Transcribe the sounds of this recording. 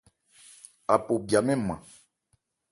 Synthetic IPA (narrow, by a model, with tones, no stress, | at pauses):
a˨po˨bi˨a˨mɛ̃˦mã̰˨